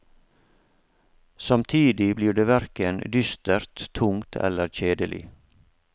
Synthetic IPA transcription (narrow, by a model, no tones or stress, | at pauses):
sɑmt̪ʰiːd̪ɪbliːɖeːʋæɾkənd̪ʏst̪əɾt̪ʰʊŋt̪ʰɛ̰ləɾc͡çeːd̪əlʔɪ̰